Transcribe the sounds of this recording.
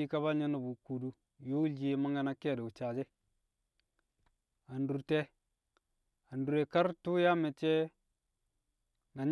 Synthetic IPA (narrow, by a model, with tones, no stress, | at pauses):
i˦ka˦βa˦ɲe˦na˨bu˨ku˨du˦ | jo˦u˦ɮi˨˦ma˦ŋɡa˨na˦ke˦˨do˨u˨t͡ʃa˨d͡ʒe˦ | a˨ndu˨ɾte˦ | a˨ndu˨ɾe˨ka˦ɾtu˦ja˦me˨t͡ʃe˦ | na˨ɲ